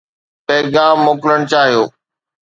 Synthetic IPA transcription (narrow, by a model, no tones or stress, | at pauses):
pɛːɡaːmːoːkləɽ̃t͡ɕaːɦijoː